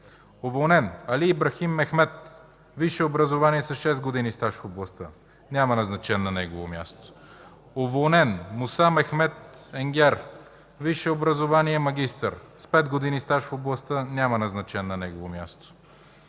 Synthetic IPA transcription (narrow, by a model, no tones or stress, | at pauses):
ovolˠnɛnɐliːbɾɐximːɛxmɛt̪̚ | viʃɛobɾɐzovaniɛsɐʃɛzɡod̪inist̪aʃfoblˠɐst̪ə | nʲamɐnɐznɐt͡ʃɛnːɐnɛɡovomja̰st̪o̥ | ovolˠnɛnmʊsamɛxmɛt̪̚ɛŋɡʲɛɾ | viʃɛobɾɐzovaniɛmɐɡ̟ist̪ə̰ɾspɛd̪ɡod̪inist̪aʃfoblˠɐst̪ənʲamɐnɐznɐt͡ʃɛnːɐnɛɡovomjast̪o̥